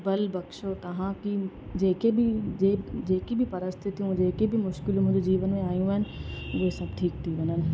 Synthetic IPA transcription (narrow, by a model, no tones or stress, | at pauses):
bɐlbɐkʃot̪ɐɦãki | d͡ʑeːkebieːd͡ʑeːkibʱipɐɾəst̪ʰɪt̪ʰːijũd͡ʑeːkebʱimʊʃkɪlmʊ̃ɦɪ̃d͡ʑod͡ʑiːʋənmẽaːjũaɦɪnɪ̆ʊɦesɐb̚ʈʰiːk̚t̪ʰiʋɐnənɪ̆